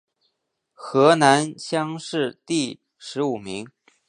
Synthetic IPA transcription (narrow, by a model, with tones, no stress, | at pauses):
xɤ˧˥na˧˥nɕjɑ˥ŋʂɻ̩˥˧t̪i˥˩ | ʂɻ̩˧˥u˨˩mi˧˥ŋ